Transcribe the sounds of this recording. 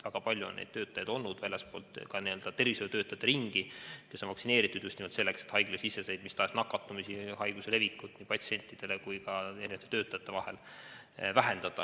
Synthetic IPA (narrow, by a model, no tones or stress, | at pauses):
væɡ̥ɑpɑlʲjuo̰nːʔḛjd̪̥̚t̪ø̞ːt̪ːˑɑjɑd̪̥o̞lnːud̪̥vælʲːespo̞̰ːlt̪kɑniø̞ld̪̥ɑt̪e̞rvisevjt̪øːt̪ːˑɑjt̪ːˑeɾiŋɡ̥ikesːonvɑksine̞ːɾit̪ːˑud̪̥jusʲt̪imvɑlt̪se̞lːe̞kset̪hɑjɡ̥lesisːe̞sejd̪̥mist̪ɑːsnɑkːɑt̪ːˑumisihɑjɡ̥use̞le̞vikːˑut̪ːniːpɑt̪sie̞nʲt̪ˑːid̪̥elekujkɑe̞ɾinɑt̪ːet̪ø̞ːt̪ːˑɑjɑt̪ːˑe̞vɑhel | væɦe̞nd̪ɑd̪̥ɑ